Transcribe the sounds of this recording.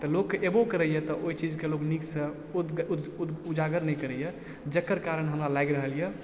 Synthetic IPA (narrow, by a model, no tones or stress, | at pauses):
t̪ɔlokːeʔebokəɾəjɛt̪ɔʔoit͡ʃid͡ʒkelokniksə̃ | ud͡ʒaɡəɾnɛjkəɾəjɛ | d͡ʒəkːəɾkaɾənɦəmɾalajɡɾəɦəlijɛ